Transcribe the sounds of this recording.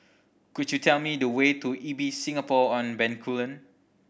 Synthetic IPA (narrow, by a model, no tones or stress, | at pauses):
kudjutʰɛlmidəwetuʔibisĩŋapɔɔ̃nbɛ̃nkʰulə̃n